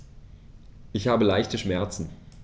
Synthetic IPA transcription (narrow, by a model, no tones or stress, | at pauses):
ʔɪçhaːbəlaɪçtəʃmɛɐt͡sn̩